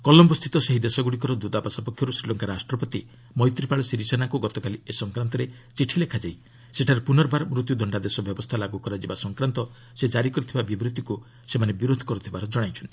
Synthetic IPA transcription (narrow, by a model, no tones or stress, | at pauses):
kɔlɔmbɔst̪ʰit̪ɔseɦid̪esɔɡuɽik̬ɔɾɔd̪ud̪apasapɔkʰjɔɾusɾilɔŋkaɾasʈɾɔpɔt̪i | mɔjt̪ɾipaɭɔsiɾisanakuɡɔt̪ɔkaliesɔŋkɾant̪ɔɾe | t͡ʃiʈʰilekʰad͡ʒaj | seʈʰaɾepunɔɾbaɾmɾut̪jud̪ʱɔɳɖad̪esɔbjɔbɔst̪ʰalaɡukɔɾad͡ʒibasɔŋkɾant̪ɔ | sed͡ʒaɾikɔɾit̪ʰibabibɾit̪iku | semanebiɾod̪ʱɔ̥kɔɾut̪ʰibaɾɔd͡ʒɔɽ̃ajt͡ʃʰɔnt̪ii